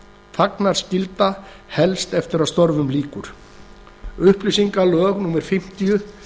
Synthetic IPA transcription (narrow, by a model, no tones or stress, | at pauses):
θaknaɾ̥scɪlt̪a | hɛlst̪ɛft̪ɪɾaðst̪ɔɾvʏmliːkʏɾ̥ | ʏhplisiŋkalœːɣnuːmɛɾ̥fɪm̥t̪ijʏ